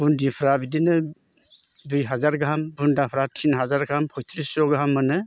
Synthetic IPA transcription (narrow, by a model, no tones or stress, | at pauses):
b̥undipʰɾabidinɯ | dujɦazaɾɡambundapʰɾatʰinɦazaɾɡampʰɔjtʰɾisɔɡɾamːɯnɯ